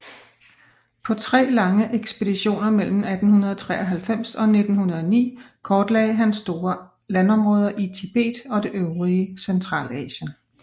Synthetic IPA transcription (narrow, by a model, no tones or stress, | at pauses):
pʰɒ̽t͡sʰʁɛ̰ːlɑ̈ŋəʔeɡ̥sb̥e̝d̥iɕo̝̰ːnɐmel̰m̩æd̥n̩hunɐð̞ˠɒ̽t͡sʰʁɛːɒɦælfem̰sɒ̽ne̝d̥n̩hunɐðˠɒnḭː | kʰɒːd̥lɛ̰ɪɦænsd̥o̝ːɐ | lænɒ̽mʁɔ̽ːð̞ˠɐʔit͡sʰib̥e̝̰ːd̥ɒ̽d̥e̝ʔøʊʁiəsent͡sʰʁɑ̰̈ːlɛ̰ːɕən